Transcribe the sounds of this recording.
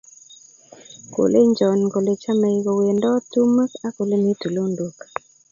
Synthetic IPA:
ko̰˨le˦ɲd͡ʒɔ˨nɡo˨le˨t͡ʃa˦mɛ˨i˨ɡo˨we˨ndɔ˦tu˦ma˦ka˦ko˨le˦ne˦tu˨lo˦ndu˨k

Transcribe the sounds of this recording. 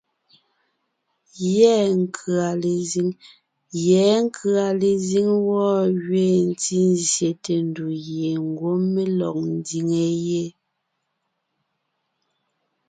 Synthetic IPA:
jɛ˦ŋ˦kʰɰa˨le˨zi˦ŋ | jɛː˨˦ŋ˦kʰɰa˨le˨zi˦ŋwɔ˦˨ɣɥe˦˨n̩˦ti˦n˦zje˨te˨n˦du˨ɣje˨ŋ˦ɡwo˦me˦lɔ̰˨k̚n˦di˨ŋe˨je˦

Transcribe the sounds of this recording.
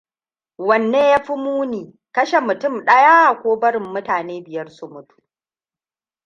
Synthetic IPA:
wɐ˨nːeː˦ja˦ɸi˦muː˦niː˨ | kɐ˦ʃe˨mʊ˨tʊ˦˨mɗɐ˦jaː˦a˨kʷoː˦bɐ˦ɽɪ˨mːʊ˦taː˨neː˦bɪ˨jɐ˦rsʊ˦mʊ˦tu̥˦

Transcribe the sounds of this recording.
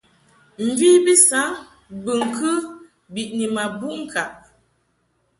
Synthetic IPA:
m̩˨vi˦bi˦sa˨˦ | bɨ˨ŋ̩˨kʰə˦ | bi˨ʔni˨ma˨bu˦ŋ̩˦˨kʰa˨ʔ

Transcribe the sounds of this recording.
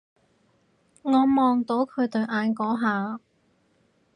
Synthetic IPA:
ŋɔː˨˧mɔː˨ŋt̪o˨˥wkʰɵ˨˧ɥt̪ɵ˨ɥʔaː˨˧nkɔː˨˥ɦaː˨˧

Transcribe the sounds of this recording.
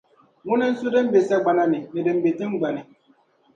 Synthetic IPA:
ŋʊ˦na˦n̩˦su˦də˦m˦be˨sa˦ɡ͡ba˨na˦nɪ˨nɪ˨dɨ˨mbe˨ti˦ŋ˦ɡ͡ba˨nɪ˨

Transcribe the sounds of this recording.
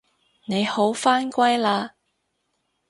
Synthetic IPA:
ne˨˧jho˨˥wfaː˥nkʷɐ˥jlaː˧

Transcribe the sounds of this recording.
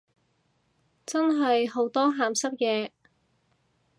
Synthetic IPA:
t͡sɐ˥nɦɐ˨jɦo˨˥wt̪ɔː˥ɦaː˨msɐ˥k̚jɛː˧

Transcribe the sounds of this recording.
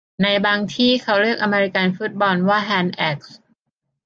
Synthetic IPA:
na˧jbaː˧ŋt̪ʰiː˥˩kʰa˦˥wɾɯ˥˩ək̚ʔa˧meː˧ɾi˧ka˧nfu˦˥t̪̚bɔː˧nwaː˥˩ɦɛː˧nʔɛ˦˥˩k̚s

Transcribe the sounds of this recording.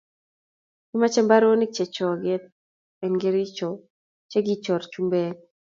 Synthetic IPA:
ɡɪ˦ma˦t͡ʃɛ˦mba˦ɾo˦nɪ˦t͡ʃɛ˨t͡ʃɔ˨ɡɪ˦t̪̚ | ɛ˨nɡɪ˦ɾɪ˦t͡ʃɔ˨ | t͡ʃe˦ɡɪ˦t͡ʃɔ˨ɾt͡ʃu˦mbe˦

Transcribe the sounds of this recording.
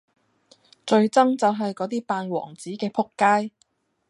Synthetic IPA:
t͡ʃɵ˧ɥt͡sɐ˥ŋt͡sɐ˨wɦɐ˨jkɔː˨˥t̪̬iː˥paː˧nwɔ̰ː˨˩ŋt͡siː˨˥kɛː˧pʰʊ˥kːaː˥j

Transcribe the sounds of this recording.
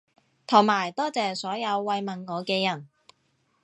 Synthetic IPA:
t̪ʰʊ˨˩ŋmaː˨˩jt̪ɔː˥t͡sɛː˨sɔː˨˥jɐ˨˧wːɐ˨˧jmɐ˨nŋɔː˨˧kɛː˧jɐ˨˩n

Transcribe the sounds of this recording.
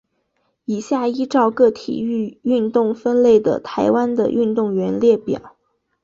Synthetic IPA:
i˨˩ɕja˥˩i˥ʈ͡ʂɑ˥˧ʊkɤ˥˩t̪ʰḭ˨˩y˥˧y˥˧nt̪ʊ˥˩ŋfə˥nle˥˩ɪd̪ə̰˩t̪ʰa˧˥ɪwa˥nd̪ə̰˨ʔy˥˧nt̪ʊ˥˩ŋɥɛ˧˥nljɛ˥˩pjɑ̰˨˩˦ʊ

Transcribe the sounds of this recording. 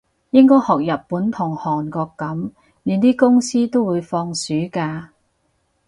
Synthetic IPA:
jɪ˥ŋkɔː˥jhɔː˨k̚jɐ˨ppːuː˨˥nt̪ʰʊ˨˩ŋhɔː˨˩nkɔː˧kːɐ˨˥m | lyː˨˧nt̪iː˥kʊ˥ŋsiː˥t̪o˥wuː˨˧jfɔː˧ŋsyː˨˥kaː˧

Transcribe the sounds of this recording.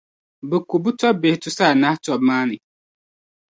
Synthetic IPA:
bɛ˨ku˨bu˦tɔ˦be˨ɪ˨tʊ˦saː˦˨na˦htɔ˦bmaː˦nɪ˨

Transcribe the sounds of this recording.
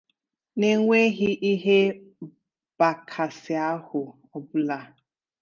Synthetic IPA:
ne˦ŋʷe˦ɣi˦ʔi˦ɦe˦ | b̥a˨kʰa˨sɪ˨a˦hʊ˨ | o˨bu˦la˨

